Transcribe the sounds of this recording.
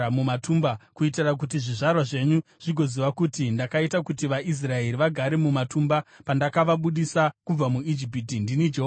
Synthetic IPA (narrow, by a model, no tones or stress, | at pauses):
mumatumbakuitirak̬ut̬iʐiʐarwaʐe̞ɲuʐ̥iɡʱo̞ziʋakutindakaitakutiʋaʔis̬rae̞ɾiʋaɡʱaɾe̞mumatumbapandakaʋaɓuɗisakub͡vamuid͡ʒip̬itindinid͡ʒeɦo